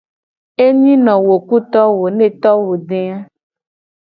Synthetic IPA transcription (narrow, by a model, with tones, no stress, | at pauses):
e˦ɲĩ˦nɔ̃˨wo˨ku˦t̪ɔ˦wo˨ne˦t̪ɔ˦wo˨ɖe˦a˦